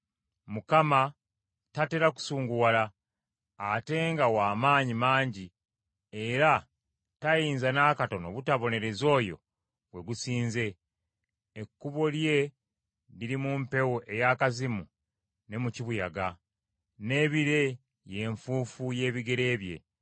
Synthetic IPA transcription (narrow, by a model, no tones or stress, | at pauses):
mukama | tateɾaku̥suːŋɡuwalaː | te̞ːŋɡawaːmaːɲimaːɲɟi | e̞ɾa | tajiːnzanaːkato̞no̰βutaβo̞ne̞ɾe̞zo̞ːjo̞̰ | βwe̞ɡusiːnze̞ː | kːuβo̞lje̞ | liɾimumpe̞woʔe̞jakazimu | ne̞muciβuja̰ɡa | ne̞ːβiɾe̞ | je̞ːɱfuːfuje̞ːβiɡe̞ɾe̞ːβje̞̰